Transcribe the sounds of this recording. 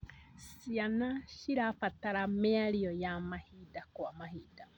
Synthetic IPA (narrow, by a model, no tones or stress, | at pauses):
sianaʃiɾafat̪aɾameaɾiojamahidakwamaɦida